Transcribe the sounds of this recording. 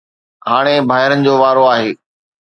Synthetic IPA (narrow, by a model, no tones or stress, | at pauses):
haːɽ̃ebʱaːɦɪɾənɪ̆d͡ʑoːʋaːɾoaːɦeː